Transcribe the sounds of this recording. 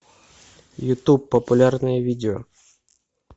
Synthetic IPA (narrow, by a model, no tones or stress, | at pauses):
jʊt̪upːɐpʊlʲarnɨjəvʲidʲɪɔ̰